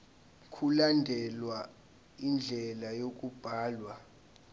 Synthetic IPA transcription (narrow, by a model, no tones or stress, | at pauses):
kʰulandʱɛlwa | ind͡ɮʱɛlajok̬ʼub̥ʱaːlwa